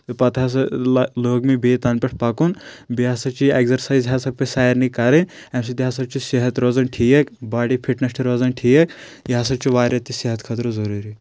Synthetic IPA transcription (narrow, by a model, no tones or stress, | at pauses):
t̪ɨpɐt̪ɦas̬ɐloːɡmibeːt̪ɐnpeʈʰpɐkunbiɦasɐt͡ʃʰieɡzɐɾsaːjzɦasɐb̚pɐsaːjɐɾnikɐɾɐnʲ | ems̬it̪iɦaːsɐb̚t͡ʃʰiseɦɐt̪ɾoːzɐnʈʰijɐkbaːɖipʰiʈnɐsʈʰiɾoːzɐnʈʰijɐk | jas̬ɐb̚t͡ʃʰiʋaːɾɐt̪ːiseɦɐt̪kʰɐt̪ɾozɐɾuɾi